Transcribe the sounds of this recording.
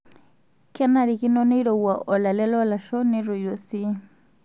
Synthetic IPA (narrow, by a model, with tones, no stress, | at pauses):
kɛ˦na˨ɾi˨ki˦nɔ˦ne˦i˦ɾɔ˨wwa˨ʔɔ˨la˨lɛ˦lɔ˦la˨ʃɔ˦ni˦ɾu˨jo˨si˦